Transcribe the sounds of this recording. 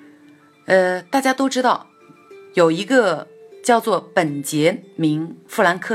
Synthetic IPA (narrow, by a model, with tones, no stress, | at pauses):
ə˧t̪a˥˩t͡ɕja˥t̪o˥ʊʈ͡ʂɻ̩˥t̪ɑ˥˩ʊ | jo˨˩ʊi˧˥ɡə˧t͡ɕjɑ˥˧ʊt͡swɔ˥˩pə˨˩nt͡ɕjɛ˧˥mi˧˥ŋfu˥˩la˧˥nkʰɤ˥˩